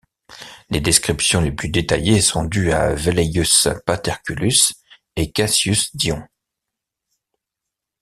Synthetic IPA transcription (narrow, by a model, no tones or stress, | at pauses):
led̪ɛskχipsjɔ̃leplyd̪et̪ajesɔ̃d̪ya̰velejyspat̪ɛʁkʲylys | ekasjysd̪jɔ̃